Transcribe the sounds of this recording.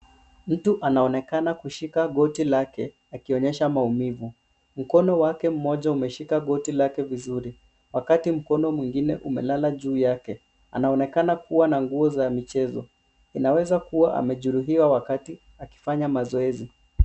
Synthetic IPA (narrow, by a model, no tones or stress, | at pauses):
m̩tuʔanaɔnɛkanakuʃikaɠɔtilakɛ | akiɔɲɛʃamaumivu | m̩kɔnɔwakɛm̩mɔʄaumɛʃikaɠɔtilakɛvizuɾi | wakatim̩kɔnɔmwiŋɡinɛʔumɛ̰lalaʄuːjakɛ | a̰naɔnɛkanakuwanaŋɡuɔzamit͡ʃɛzɔ̰ | inawɛzakuwaʔa̰mɛʄuɾuɦiwawakati | aki̥faɲamazɔɛzi